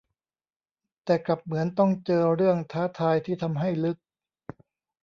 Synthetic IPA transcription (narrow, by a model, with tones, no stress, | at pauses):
t̪ɛː˨˩kla˨˩p̚mɯ˩˦ənt̪ɔ˥˩ŋt͡ɕɤː˧ɾɯ˥˩əŋt̪ʰaː˦˥t̪ʰaː˧jt̪ʰiː˥˩t̪ʰa˧mɦa˥˩jlɯ˦˥k̚